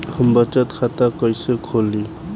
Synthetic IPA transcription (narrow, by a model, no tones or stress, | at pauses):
həmbət͡ʃat̪kʰat̪akɔjsekʰoli